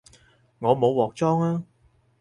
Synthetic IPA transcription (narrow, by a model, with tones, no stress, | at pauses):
ŋɔː˨˧mo˨˧wːɔː˨k̚t͡sɔː˥ŋaː˥